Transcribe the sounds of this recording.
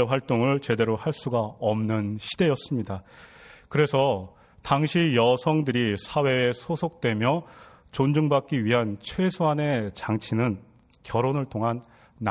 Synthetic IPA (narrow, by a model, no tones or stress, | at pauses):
ɸwaɭt͈oŋɯɭt͡ɕe̞de̞ɾohaɭs͈uɡaʌmnɯnɕʰide̞jʌs͈ɯmɲida | kɯɾe̞sʰʌ | taŋɕʰijʌsʰʌŋdɯɾisʰawe̞ːsʰosʰok̚t͈we̞mjʌ | t͡ɕond͡ʑɯŋbak͈̚iɥiɦant͡ɕʰwe̞sʰoɦane̞t͡ɕaŋt͡ɕʰinɯn | kjʌɾonɯɭtʰoŋɦanː